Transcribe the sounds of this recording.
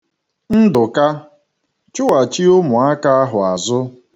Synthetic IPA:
n̩˦dʊ˨ka˦ | t͡ʃʊ˦wa˨t͡ʃi˦ʊ˦mʊ˨a˦ka˦a˦ɦʊ˨a˨zʊ˦

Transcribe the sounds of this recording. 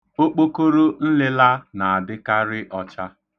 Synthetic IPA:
o˦k͡po˦ko˦ɾo˦n̩˦lɪ˦la˦na˨a˨dɪ˦ka˦ɾɪ˦ʔɔ˦t͡ʃa˦

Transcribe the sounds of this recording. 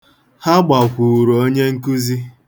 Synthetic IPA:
ha˦ɡ͡ba˨kʷu˨ɾo˦ɲe˦ŋ̩˦ku˦zi˦

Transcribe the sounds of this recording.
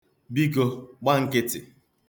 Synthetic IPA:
bi˦ɡo˦ɡ͡ba˦ŋ̩˦kɪ˦tɪ˨

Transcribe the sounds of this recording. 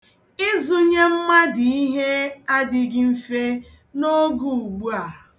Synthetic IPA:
ɪ˦zu˦ɲe˦m̩˦ma˦di˨i˦ɦe˦a˦dɪ˦˨ɡɪ˦m̩˦fe˦ | no˦ɡu˨u˨ɡ͡bu˦a˨

